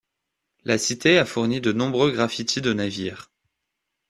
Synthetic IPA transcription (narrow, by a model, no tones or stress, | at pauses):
lʔasit̪eafuʁnid̪ənɔ̃bʁøɡʁafit̪ʰid̪ənaviːʁ